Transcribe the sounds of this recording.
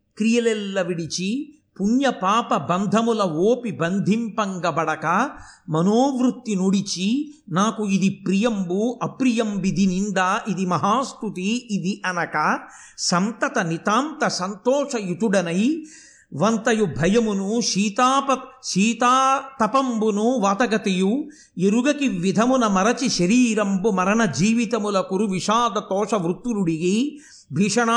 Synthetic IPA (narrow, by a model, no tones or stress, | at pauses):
kɾijɐlɛlːɐʋiɽit͡ʃi | punjɐpaːpɐbɐnd̪ʱɐmulɐoːpibɐnd̪ʱimpɐŋɡɐbɐɽɐkɐmɐnoːʋɾut̪ːinuɽit͡ʃinaːkuid̪ipɾijɐmbuʔɐpɾijɐmbid̪ʱinind̪aʔid̪imɐɦaːst̪ut̪iːd̪iʔɐnɐkɐ | sɐmt̪ɐt̪ɐnit̪aːmt̪ɐsɐnt̪ɔːʂɐjut̪uɽɐnɐj | ʋɐnt̪ɐjubʱɐjɐmunuʃiːt̪aːpɐʃiːt̪aːt̪ɐpɐmbunuʋaːt̪ɐɡɐt̪eju | eɾuɡɐkiʋːid̪ʱɐmunɐmɐɾɐt͡ʃiʃɐɾiːɾɐmbumɐɾɐɳɐd͡ʒiːʋit̪ɐmulɐkuɾuʋiʂaːd̪ɐt̪ɔːʂɐʋɾut̪ːuɾuɽiɡi | bʱiʂɐɳa